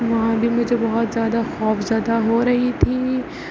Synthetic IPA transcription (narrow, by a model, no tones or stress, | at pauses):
ʋɐɦãbʱimʊd͡ʒʱebɐɦʊt̪zjaːd̪axɔːfzjaːd̪aɦoːɾɐɦit̪ʰiː